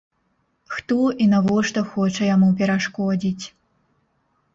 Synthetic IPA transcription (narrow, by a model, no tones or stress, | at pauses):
xt̪ɔʔinavɔʂt̪ɔxɔt͡ʂɐjamupʲɛɾaʂkɔd͡zʲit͡sʲ